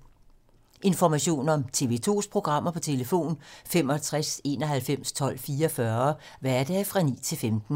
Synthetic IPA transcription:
ʔe̝nfɒmæɕo̝̰ːnɒ̽mt͡sʰe̝̰ʋe̝t͡sʰo̝̰ːspʰʁo̝ɡ̥ʁɑ̈m̰ɐpʰɒ̽t͡sʰe̝ləfo̝̰ːnfemɒ̽æt͡sʰʁase̝̰ːnɒ̽ɦælfem̰st͡sʰɒ̽l̰fiːɐfɶɐ | ʋæɐɐd̥ɛːfʁɑ̈nḭːt͡sʰe̝lfemd̥n̩

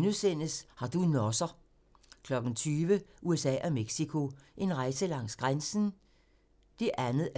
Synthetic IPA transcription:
nusen̰əshɑ̈d̥unɒsɐ | kʰlɒ̽ɡ̥n̩t͡sʰyːʋəʔuesɛ̰ːʔɒ̽meɡ̥sikʰo̝ʔe̝nʁɑ̈ɪsəlɑ̈ŋ̰sɡ̥ʁansn̩ | d̥e̝ʔænð̩ˠ

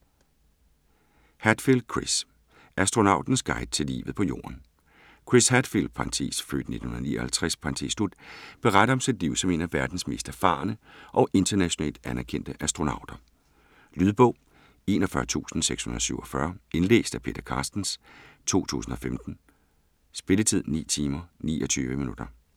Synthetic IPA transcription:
hæd̥fild̥̚kʰʁis | ʔæsd̥ʁo̝nɑ̈ʊ̰d̥n̩sɡ̥ɑ̈ɪd̥̚t͡sʰe̝lḭːʋð̩ˠpʰɒ̽jo̝̰ːʔɐn | kʰʁishæd̥fild̥̚pʰɑ̈nt͡sʰḭːsfø̰ːd̥ne̝̥n̩hunðɐnḭːɒhælt͡sʰʁɛspʰɑ̈nt͡sʰislud̥̚b̥e̝ʁad̥ɐɒ̽msid̥liʊ̰sɒ̽me̝næʋæɐd̥n̩sme̝ːsd̥æɐfɑ̰̈ːnəʔɒ̽ʔe̝nd̥ɐnæɕo̝nɛ̰ːld̥ænæɐkʰen̰d̥əʔæsd̥ʁo̝nɑ̈ʊd̥ɐ | lyðˠb̥ɔ̽ʊ̰ | e̝̰ːnɒfɶɐt͡sʰṵːsn̩seɡ̥shunɐðˠsyʊɒfɶɐe̝nlḛːsd̥æpʰe̝ːd̥ɐkʰɑ̈ːsd̥n̩st͡sʰo̝̰ːt͡sʰṵːsn̩ɒ̽femd̥n̩ | sb̥e̝lət͡sʰið̰ˠnḭːt͡sʰiːmɐnḭːɒt͡sʰyːʋəminud̥ɐ

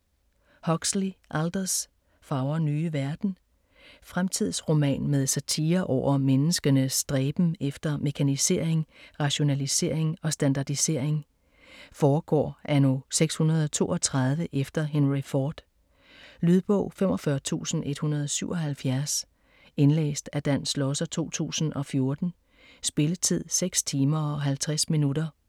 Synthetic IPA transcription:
hɒ̽ɡ̥sliʔæld̥ɐs | fɑ̈ʊɐnyːʋæɐd̥n̩ | fʁamt͡sʰið̞̰ˠsʁo̝mɛ̰ːnmeð̞ˠsæt͡sʰiːɐʔɒʊ̰ɐmenəsɡ̥ɐnəsd̥ʁɛːb̥m̩efd̥ɐme̝kʰænise̝̰ːɐ̰eŋʁɑ̈ɕo̝nælise̝̰ɐ̰e̝ŋɒ̽sd̥ænd̥ɑ̈d̥ise̝ɐ̰e̝ŋ | fɒːɡ̥ɒ̰ːʔæno̝seɡ̥shunɐð̞ˠɒt͡sʰo̝̰ːʔɒ̽t͡sʰʁɑ̈ð̞ˠʋəʔefd̥ɐɦenʁifɒːd̥ | lyð̞ˠb̥ɔ̽ʊ̰fem̰ɒ̽fɶɐt͡sʰṵːsn̩e̝d̥hunɐð̞ˠɒsyʊ̰ɒ̽ɦælfjæɐs | enlḛːsd̥æd̥æn̰slɒsɐt͡sʰo̝̰ːt͡sʰṵːsn̩ɒ̽fjo̝ɐd̥n̩ | sb̥e̝lət͡sʰið̞̰ˠseɡ̥st͡sʰiːmɐɒɦælt͡sʰʁasminudɐ

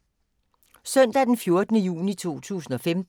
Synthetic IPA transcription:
sœn̰d̥æd̥enfjo̝ɐd̥ənəjṵːnit͡sʰo̝̰ːt͡sʰṵːsn̩ɒ̽fem

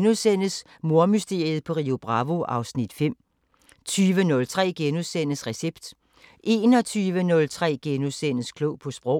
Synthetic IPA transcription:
nusen̰əs | mo̝ɐmysd̥e̝ɐð̞̩ˠpʰɒ̽ʁio̝b̥ʁɑ̈ʋo̝ʔɑ̈ʊsnid̥fem̰ | t͡sʰyːʋənɔ̽lt͡sʰʁɛ̰ːɡ̥enusen̰əsʁɛseb̥d̥ | ʔe̝ːnɒ̽t͡sʰyːʋənɔ̽lt͡sʰʁɛ̰ːɡ̥enusen̰əskʰloʊ̰pʰɒ̽sb̥ʁɒʊ̰

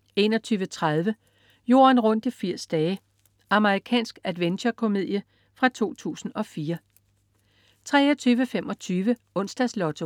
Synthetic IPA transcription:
e̝nɒt͡sʰyːʋət͡sʰʁað̞ˠʋə | jo̝̰ːɐnʁɔ̽n̰d̥ifiɐ̰sd̥ɛː | ʔɑ̈məʁikʰɛ̰ːnsɡ̥ædʋent͡ɕɒkʰo̝me̝ð̰ˠjə | fʁɑ̈t͡sʰo̝̰ːt͡sʰṵːsn̩ɒ̽fiːɐ | t͡sʰʁɛːɐt͡sʰyːʋəfemɒ̽t͡sʰyːʋə | ɔ̽n̰sd̥ɛslɒ̽t͡sʰo

